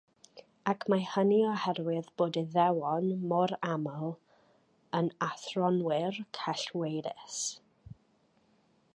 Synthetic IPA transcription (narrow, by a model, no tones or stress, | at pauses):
akʰmahəniɔhɛrwɪðb̥oːdiðɛwɔnmɔɾaməlˠ | ənaθrɔnwɪrkʰaɬwejɾɪ̰s